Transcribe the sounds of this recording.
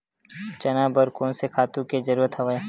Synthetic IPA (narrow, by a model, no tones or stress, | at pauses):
t͡ʃɐnaːbəɾkõːnsekʰaːt̪ũked͡ʒɐɾuːɾət̪ɦɐʋa